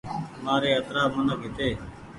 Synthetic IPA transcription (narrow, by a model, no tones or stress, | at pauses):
maːɾeːət̪ɾaːmənəkɦɪt̪eː